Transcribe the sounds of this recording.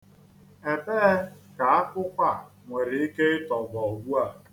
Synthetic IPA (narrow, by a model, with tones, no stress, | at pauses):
e˨beː˦ka˨a˦kʷʊ˦kʷa˦ŋʷe˨ɾɪ˨i˦ke˦ɪ˦tɔ˨ɡɔ˨ɡu˦a˨